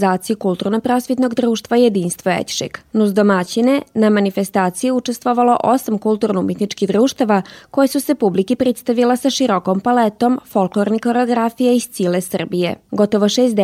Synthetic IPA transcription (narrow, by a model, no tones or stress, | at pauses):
zaːt̪sijukulˠt̪uɾnopɾo̞sʋet̪no̞ɡd̪ɾuːʃt̪ʋaje̞d̪iːnst̪ʋoḛt̪ʃḭknuzd̪omat͡ɕinenamanife̞st̪aːt̪sijiut͡ʂest̪ʋoʋalo̞ʔosamkulˠt̪uːɾnumjet̪nit͡ʃkiɣd̪ɾuːʃt̪aʋako̞jesuse̞publikipɾit̪st̪aʋilasaʃiɾokompalet̪o̞mfolˠklˠoɾniko̞ɾeoɡɾafijaist̪silesr̩bije̞̰ɡo̞t̪oʋoʃeːst̪d̪